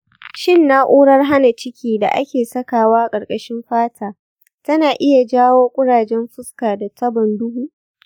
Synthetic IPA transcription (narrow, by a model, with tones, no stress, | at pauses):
ʃɪ˦˨nːa˦ʔʷuː˦ɽɐ˦rɦa˦na˨t͡ʃɪ˦kʲiː˦da̰˨ʔa̰˦kʲeː˨sɐ˦kaː˨waː˦˨kʼɐ˨rkʼɐ˦ʃɪ˦mɸaː˦tʰaː˨ | tɐ˦naː˨ʔɪ˦ja˨d͡ʒaː˦woː˦kʷʼʊ˦ɽaː˨d͡ʒɛ˦mɸʊ˦skaː˨da˨tɐ˦bɔ˨ndʊ˦huː˦ʔ